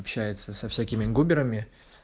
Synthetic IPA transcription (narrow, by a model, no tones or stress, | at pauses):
pɕæjɪt̪səsɐfsʲækʲɪmʲɪɡubʲɪɾəmʲɪ